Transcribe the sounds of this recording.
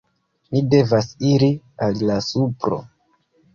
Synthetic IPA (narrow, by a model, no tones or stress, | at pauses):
mide̞vasiɾi | allasupɾo̞̰